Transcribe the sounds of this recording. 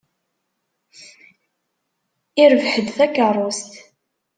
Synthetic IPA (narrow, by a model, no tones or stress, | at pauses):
ɪɾəvħəd̪θækːərˤːost̪